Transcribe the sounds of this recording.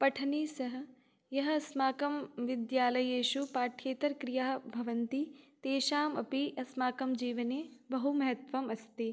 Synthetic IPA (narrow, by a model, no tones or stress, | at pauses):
pɐʈʰɐnisɐɦɐ̆ | jɐɦɐɐsmaːkɐmʋɪd̪jaːlɐjeːʃupaːʈʰjeːt̪ɐɾkɾijaːbʱɐʋɐnt̪it̪eːʃaːmɐpiʔɐsmaːkɐmd͡ʒiːʋɐnebɐɦumɐɦɐt̪ʋɐmɐst̪i